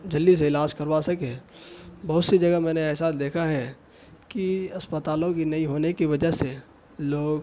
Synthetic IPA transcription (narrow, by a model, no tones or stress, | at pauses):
d͡ʒɐlːis̬eɪlaːd͡ʒkɐɾʋasɐke | bɐɦʊt̪sid͡ʒɐɡəmɛ̃ːneɛːs̬aːd̪eːkʰaɦɛ | kiɐspət̪aːlõkinɐĩɦoːnekiʋɐd͡ʒəse | loːɡ